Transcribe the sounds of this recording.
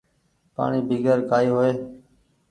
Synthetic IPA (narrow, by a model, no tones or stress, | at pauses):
pa̰ːɳiːbʱiːɡəɾkaːiːɦoːeː